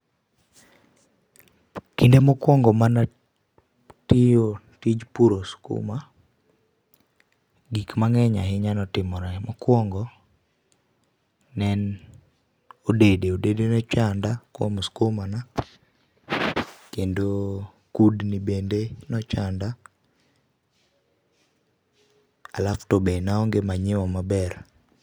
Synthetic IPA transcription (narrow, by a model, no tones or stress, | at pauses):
kindemɔkwɔŋɡɔmana | tɪjo | tid͡ʒpuɾoskṵma | ɡikmaŋɛɲaɦɪɲanɔtɪmɔɾɛmɔkwɔŋɡɔ | nɛn | odedeodedenɔt͡ʃandakwɔ̰mɔskomana | kendo | kudnibendenɔt͡ʃanda | alaftobenaɔŋɡemaɲɪwɔmabɛr